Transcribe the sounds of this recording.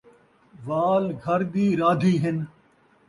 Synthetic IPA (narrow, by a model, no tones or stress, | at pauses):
ʋaːlɡʱɐɾd̪iːɾaːd̪ʱiːɦɪn